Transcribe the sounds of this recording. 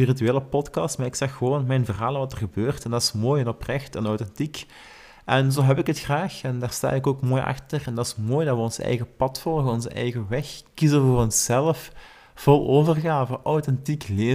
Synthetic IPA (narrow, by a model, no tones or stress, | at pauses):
irityeːləpɔtkɑstmaːrɪksɛxːəʋoːnmɛjnvərɦaːlˠənʋɑtərɣəbøːrtɛndɑtɪ̥smoːjənɔprɛxtənɔwtɛntik | ʔɛnzoːɦɛpɪkɦətxraːxɛndaːrsta̰ːɪkoːkmoːjʔɑ̰xtərɛndɑtɪ̥smoːjdɑtʋəɔnsɛ̰jɣəpɑtfɔlˠɣənɔnzəʔɛ̰jɣəʋɛxkizəvəʋəɔnsːɛləf | v̥ɔlˠoːvərɣaːvəʔɔwtɛntikleː